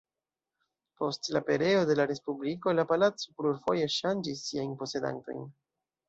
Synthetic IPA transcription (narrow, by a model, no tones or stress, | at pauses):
po̞stlape̞ɾe̞o̞de̞laɾe̞spubliko̞lapalat͡so̞pluɾfo̞je̞ʃand͡ʒis̬ːiajnpo̞se̞da̰nto̞̰jn